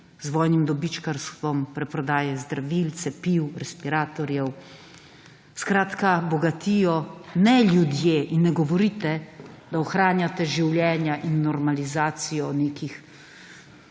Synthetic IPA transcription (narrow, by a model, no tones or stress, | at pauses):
zʋɔːjnimd̪ɔbit͡ʃkaɾst̪ʋɔmpɾɛpɾɔd̪aːjɛzd̪ɾaʋilt̪sɛpiwɾɛspiɾaːt̪ɔɾjɛw | skɾaːt̪kabɔɡat̪iːjɔnɛljud̪jeːʔinːɛɡɔʋɔɾit̪ɛd̪aɔxɾaːnjat̪ɛʒiwljɛːnjaʔinːɔɾmalizaːt̪sijɔneːkix